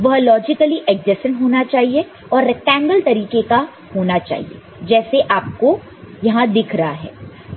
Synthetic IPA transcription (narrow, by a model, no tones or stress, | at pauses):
ʋɐɦlɔːd͡ʒɪkəliʔɛɡd͡ʒɪsə̃nɦoːnat͡ʃaːɦie | ɔːɾːɛk̚ʈɛ̃ːŋɡəlt̪ɐɾiːkeka | hoːnat͡ʃa̰ːɦḭḛ | d͡ʒɛːseʔaːp̚ko | jɐɦãd̪ɪkʰɾɐɦaɦɛ̰ː